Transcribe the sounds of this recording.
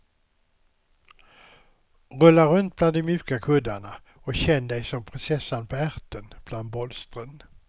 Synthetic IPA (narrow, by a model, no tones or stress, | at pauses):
ɾɵlːaɾɵnt̪̚bland̪ɔmjʉ̟ːkakʰɵd̪ːaɳa | ɔkɕɛnːd̪ɛjsɔmpʰɾɪnsɛsːanpʰɔæɾt̪ənb̥land̪̚bɔlst̪ɾən